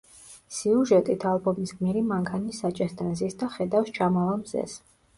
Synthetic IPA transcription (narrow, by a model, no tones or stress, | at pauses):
siuʒɛt̪ʼit̪ʰalˠbɔmisɡmiɾimaŋkʰanisːat͡ʃʼɛst̪ʰɛnzisd̪aχɛd̪afst͡ʃʰamɔlamzɛ̰s